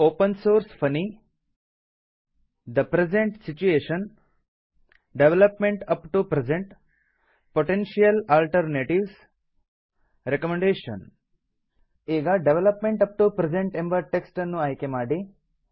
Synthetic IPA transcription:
oːpənsoːɾsfʰəni | d̪əpɾezeɳʈsit͡ʃueːʃən | ɖeʋeləpmẽɳʈɐpʈupɾezẽɳʈ | poʈenʃijəlalʈəɾneːʈiʋs | ɾekəmẽɳɖeːʃə̰n | eːɡaɖeʋeləpmẽɳʈɐp̚ʈupɾed͡ʒẽɳʈẽmbəʈeksʈnːũajkemaːɖi

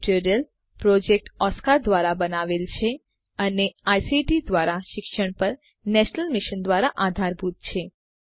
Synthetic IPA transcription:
ʈiɾijəl | pɾɔd͡ʒek̚ʈɔskaɾd̪ʋaɾabənaʋelt͡ʃʰe | əneajsiʈid̪ʋaɾaʃɪkʃəɳ̃pəɾ | nɛʃnəlmiʃənd̪ʋaɾaʔad̪ʱaɾbʱut̪̚t͡ʃʰe

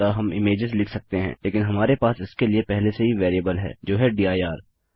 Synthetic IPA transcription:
aɦɐmɪmeːd͡ʒɪzlɪkʰsɐk̚t̪eɦɛ̰̃ːleːkɪnɦɐmaːɾepaːsɪskeliepɛɦleseɦiʋeːɾijəbəlɦɛ̰ːd͡ʒoːɦɛɖiːaːiaːɾ

